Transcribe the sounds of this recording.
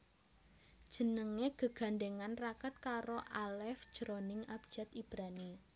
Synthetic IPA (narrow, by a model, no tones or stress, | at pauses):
d̥ʒ̥ə̤nəŋeɡ̥ə̤ɡ̥a̤ɳɖeŋanrakət̪̚kaɾoʔalɛfd̥d͡ʒ̥ɾonɪŋap̚d͡ʒ̥at̪ib̥ɾani